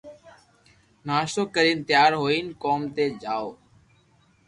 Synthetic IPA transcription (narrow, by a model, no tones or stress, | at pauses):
naːʃoːkəɾiːnt̪jaːɾɦoːiːnkoːmt̪eːd͡ʒaːoː